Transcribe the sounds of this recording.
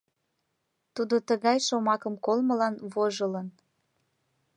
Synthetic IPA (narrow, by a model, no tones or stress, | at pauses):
t̪ud̪ot̪əɣɑjʃomɑkəmkolməlɑnβoʒələn